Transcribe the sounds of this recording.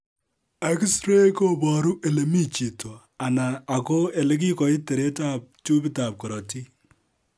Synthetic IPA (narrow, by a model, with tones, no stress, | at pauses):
e˨ksɾe˦ko˦bɔ˨ɾu˦ʔe˨le˨mi˦t͡ʃi˨to˨ | a˨naː˨ko˦e˨le˦k̬i˦kɔ˨i˦te˨ɾe˦ta˦p̚t͡ʃu˦pi˦ta˨p̚kɔ˨ɾɔ˨ti˦